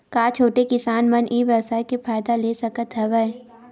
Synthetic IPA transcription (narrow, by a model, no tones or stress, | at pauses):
kaːt͡ʃʰoːʈekɪsaːnmɐnʔiːʋjɐwsaːikefʰaːɪd̪aleːsɐkət̪ɦɛʋəɛ